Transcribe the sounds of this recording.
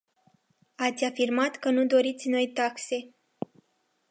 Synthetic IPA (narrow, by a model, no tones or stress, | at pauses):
at̪sʲafirmat̪kənud̪o̞ɾit̪sʲno̞jt̪akse̞